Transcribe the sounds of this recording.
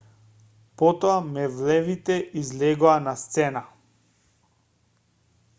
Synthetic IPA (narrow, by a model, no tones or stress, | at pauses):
pɔt̪ɔamɛvlɛvit̪ɛʔizlɛɡɔanast̪sɛna